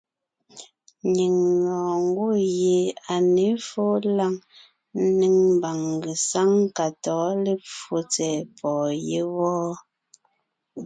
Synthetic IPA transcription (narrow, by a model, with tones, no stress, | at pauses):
ɲi˨ŋːɔː˨ŋ˦ɡo˦˨je˨a˨ne˨˦fo˦la˦ŋ̩˦ | ni˦ŋm˨ba˨ŋ˨ɡe˨sa˦ŋ˦ka˨tɔː˨˦le˦p͡fo˦t͡sɛ˨pʰɔː˨je˦wɔː˦